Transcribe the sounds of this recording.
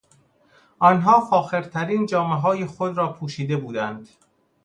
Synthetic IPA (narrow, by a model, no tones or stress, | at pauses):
ʔɒnɦɒːfɒːxe̞ɾt̪ʰæɾiːnd͡ʒɒːmeɦɒːjexod̪ɾɒːpʰuːʃiːd̪e̞buːd̪ænd̪̥